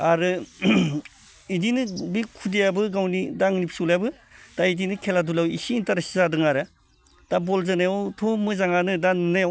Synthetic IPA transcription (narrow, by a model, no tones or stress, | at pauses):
aɾɯ | idinɯbikʰudijabɯɡawnidaŋnipʰsuljabɯ | d̥aidinɯkʰeladulawḭsintaɾasi̥zadɯŋaɾa | d̥abolzanajawtʰomːɯzaŋanɯdannajaw